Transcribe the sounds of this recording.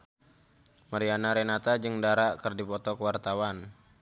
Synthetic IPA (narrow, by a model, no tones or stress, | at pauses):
maɾianaɾɛnat̪ad͡ʒɨŋdaɾaʔkərdipɔt̪ɔkəwart̪awan